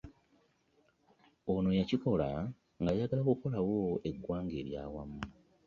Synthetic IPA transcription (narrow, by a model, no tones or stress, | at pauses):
ono̞jaciko̞la | ŋɡajaɡalakuko̞lawoe̞ɡːwaːŋɡe̞ːɾja̰ːwamu